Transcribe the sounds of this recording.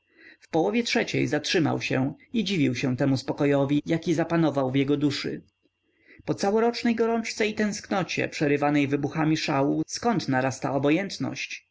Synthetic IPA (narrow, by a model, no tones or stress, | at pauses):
fpɔwɔvʲjɛtʂɛt͡ɕɛ̰jzatʂɘma̰wɕɛ̰ | id͡ʑivʲiwɕɛ̃t̪ɛmuspɔkɔjɔvʲijakʲizapanɔvawvjɛɡɔd̪uʂɘ̰ | pɔt̪sawɔɾɔt͡ʂnɛjɡɔɾɔnt͡ʂt̪sɛit̪ɛ̃w̃sknɔt͡ɕɛ̰pʂɛɾɘvanɛjvɘbuxamʲiʂawuskɔnt̪naɾast̪a̰ɔbɔjɛnt̪nɔ̰ɕt͡ɕ